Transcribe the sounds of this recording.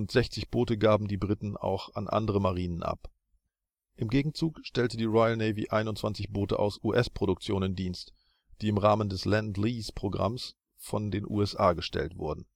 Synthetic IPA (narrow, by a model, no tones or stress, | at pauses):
ʊntz̥ɛçt͡sɪçb̥oːtəɡaːbm̩diːbʁɪtn̩a̰ʊxa̰nʔa̰ndəʁ̞əmaʁiːnənʔa̰p | ʔɪmɡeːɡŋ̩t͡suːkʃtɛltədiːʁɔɪəlneɪvḭʔaɪnʊntt͡sv̥ant͡sɪçb̥oːtə̰ʔa̰ʊsʔuːʔɛspʁ̥oɾʊkt͡sjoːnəndiːnst | d̥iːɪmʁaːməndɛslɛndliːspʁ̥oɡʁa̰ms | fɔndeːnʔṵːɛsʔaːɡəʃtɛ̰ltv̥ʊɐdn̩